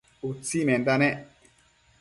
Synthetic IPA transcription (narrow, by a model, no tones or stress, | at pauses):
ut͡simɛndanɛ